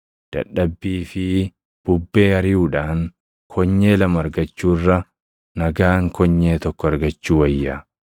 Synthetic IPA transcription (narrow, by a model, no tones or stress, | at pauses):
d̪̥ɐ̰ᶑːɐbːiːfɪ | b̥ʊbːe̞ːhɐɾɪjuːᶑaːŋ | kʰɔɲːeːlɐmɐɾɡɐt͡ʃːuːrːɐ | nɐɡaːŋkʰɔɲːe̞ːt̪ɔkːɔɐɾɡɐt͡ʃːuːwɐjːaː